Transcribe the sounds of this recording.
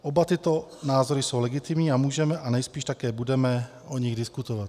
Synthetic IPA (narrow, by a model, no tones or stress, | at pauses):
ʔobat̪ɪt̪o̞naːzoɾɪso̞wlɛɡɪt̪ɪmɲiːamuːʒɛmɛʔanɛjspiːʃt̪akɛːbudɛmɛ | ʔoɲɪɣdɪskut̪ovat̪